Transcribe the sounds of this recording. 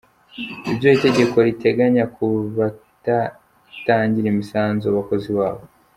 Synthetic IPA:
iβɟo̞ite̞ɟe̞ko̞ɾite̞ɡaɲakʰuβata | taːɲɟiɾemisaːnzoaβako̞ziβaːβo

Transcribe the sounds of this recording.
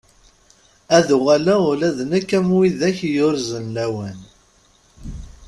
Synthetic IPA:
æðuʁalæʊlæðnækːæmwiðæçjʊɾzənlæwæn

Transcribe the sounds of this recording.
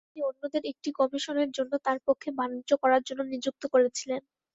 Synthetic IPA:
t̪inionːod̪eɾek̚ʈikɔmiʃoneɾd͡ʑonːot̪aɾpokʰːebanid͡ʑokɔɾaɾd͡ʑonːonid͡ʑuk̚t̪okoɾet͡ɕʰilen

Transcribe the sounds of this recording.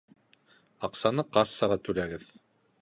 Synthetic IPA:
ɑqsɑnɤqɑsːɑʁɑt̪ʉlæɡɘð

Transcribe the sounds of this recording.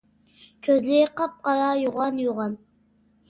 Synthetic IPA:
kʲʰøzlɪqɑp̚qɑɾɑjoʁɑnjoʁɑn

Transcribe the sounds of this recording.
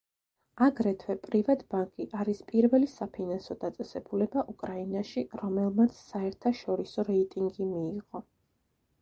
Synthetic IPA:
aɡɾɛt̪ʰwɛpʼɾivat̪baŋkʼiʔaɾispʼiɾvɛlisapʰinansɔd̪at̪sʼɛsɛbulɛbaʔukʼɾainaʃiɾɔmɛlˠmat̪sʰsaɛɾt̪ʰaʃɔɾisɔɾɛit̪ʼiŋɡimiːʁɔ

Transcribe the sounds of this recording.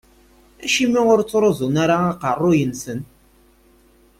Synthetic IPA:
æʃimiŋʊɾt͡soɾozunaɾaŋaqarˤojənsən

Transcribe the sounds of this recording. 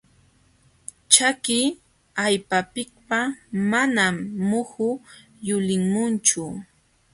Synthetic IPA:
t͡ʃakɪ | ajpapɪk̚pamanamːʊhʊ | jʊlɪŋmʊnt͡ʃʊ

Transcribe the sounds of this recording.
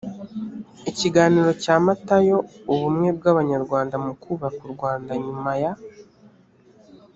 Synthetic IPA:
iciɡaːniːɾo̞caːmatajo̞uβumŋe̞b̚ɡaβaɲaɾɡwaːndamukuβakuɾɡwaːndaɲumaja

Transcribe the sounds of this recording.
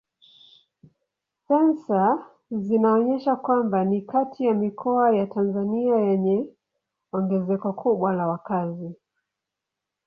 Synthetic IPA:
sɛnsa | zinaɔɲɛʃakwambanikatʰijamikʰɔajatanzaniajɛɲɛ | ɔŋɡɛzɛkɔkʰuɓwalawakazi

